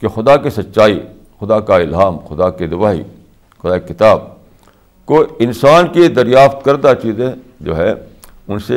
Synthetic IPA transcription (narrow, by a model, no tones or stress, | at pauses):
kexʊd̪akesɐt̪ːʃaːi | xʊd̪akaɪlɦaːmxʊd̪aked̪ʊʋaːḭ | xʊd̪aːkekɪt̪aːb̚ | koɪnsaːnked̪ɐɾjaːft̪kɐɾd̪at͡ʃiːzẽ | d͡ʒo̰ːɦɛ | ʊnse